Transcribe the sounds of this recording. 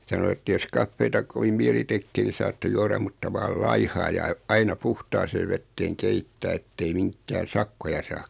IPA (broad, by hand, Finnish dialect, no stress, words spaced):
sɑno etːæ jos kɑfːeːtɑ koʋim miɛli tekːeː niː sɑːtːe juɑrɑm mutːɑ ʋɑːl lɑihɑː jɑ ɑ̆ĭ ɑinɑ puhtɑːseː ʋetːeːŋ keitːæː etːei miŋkːæː sɑkːojɑ sɑː